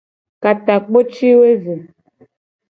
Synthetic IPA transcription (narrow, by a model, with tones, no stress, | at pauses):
ka˨ta˨k͡po˦t͡ʃi˦we˦ze˨